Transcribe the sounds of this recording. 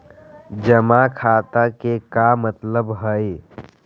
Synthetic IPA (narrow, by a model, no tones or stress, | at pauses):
d͡ʒəmakʰaːt̪akekamət̪ləbɦəe